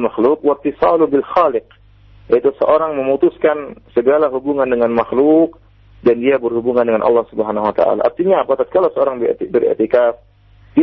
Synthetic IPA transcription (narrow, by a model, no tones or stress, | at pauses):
maxlukwat̪ːisɑlubɪlxalɪq̚ | jait̪usəʔoɾaŋməmut̪uskansəɡalaɦubuŋandəŋanmaxluk̚ | dandiabərhubuŋandəŋanʔɑ̰lˠːɑhsubəɦanahuwat̪a̰ʔa̰la̰ʔːrt̪iɲaːpat̪at̪̚kalawsəoɾaŋb̰̪bɪɾɛ̰t̪ikaf | di